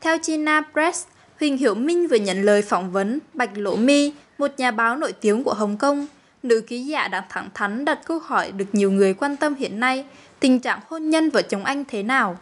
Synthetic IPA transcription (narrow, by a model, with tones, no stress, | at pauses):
t̪ʰɛ˧wt͡ɕi˧naː˧pzɛ˦˥s | hwï˨˩ŋ̟ɦḭ˧˩əwmï˧ŋ̟vɨ˨˩ɲə̰˧˨nləː˨˩jfɔ˧˩wŋ͡mvə˨˦nɓa˨˩jk̟̚lo̰˧˥mi˧ | mo˨˩t̚ɲaː˨˩ɓaː˨˦wno̰˧˨jt̪i˨˦əŋku˧˩əɦə˨˩wŋ͡mkə˧wŋ͡m | nɨ̰˧˥ki˨˦zaː˧˩ɗa̰ː˧˩ŋt̪ʰa˧˩ŋt̪ʰa˨˦ŋ̟ɗə˨˩t̚kə˧hɔ˧˩jɗɨ˨˩ək̚ɲi˨˩əwŋɨ˨˩əjkwaː˧nt̪ə˧mhḭ˧˨ənːa˧j | t̪ï˨˩ŋ̟t͡ɕa̰ː˧˨ŋho˧nɲə˧nvaː˨˩t͡ɕə˨˦wŋ͡mʔa˧jŋ̟t̪ʰe˨˦naː˨˩w